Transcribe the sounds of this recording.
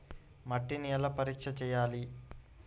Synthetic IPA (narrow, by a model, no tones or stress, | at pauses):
mɐʈːiniːlɐpɐɾikʂɐt͡ʃɛːjaːli